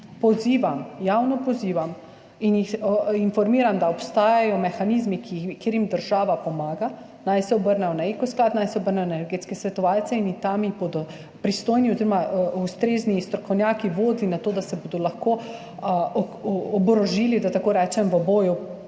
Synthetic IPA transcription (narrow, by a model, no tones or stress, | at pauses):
pɔziːʋamjawnɔpɔziːʋam | injixinfɔɾmiːɾamd̪aɔpst̪aːjajɔmɛxanizmikikeːɾjimd̪əɾʒaːʋapɔmaːɡa | najsɛɔbəɾnɛjɔnaekɔsklaːt̪najsɛɔbəɾnɛjɔnaɛnnɛɾɡeːt̪skɛsʋɛt̪ɔʋaːlt͡ssɛinixt̪amibod̪ɔ | pɾist̪oːjniɔziɾɔmaʔust̪ɾeːznist̪ɾɔkɔwnʲjaːkiʋoːd̪linat̪oːd̪asɛbod̪ɔlaxko | ɔbɾɔʒiːlid̪at̪akoːɾɛt͡ʃɛmʋəboːju